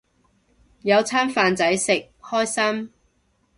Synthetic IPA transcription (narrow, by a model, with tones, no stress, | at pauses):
jɐ˨˧wt͡sʰaː˥nfaː˨nt͡sɐ˨˥jsɪ˨k̚hɔː˥jsɐ˥m